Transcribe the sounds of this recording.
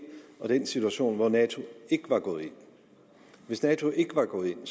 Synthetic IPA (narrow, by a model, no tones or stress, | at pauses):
ɒ̽d̥ensit͡sʰuæɕo̝̰ːnʋɒnɛt͡sʰo̝e̝ɡ̥əʋɑ̈ɡ̥ɔ̽ːð̞̩ˠe̝n̰ | ʋe̝snɛːt͡sʰo̝ʔe̝ɡ̥əʋɑ̈ɡ̥ɔ̽ːð̩ˠe̝ns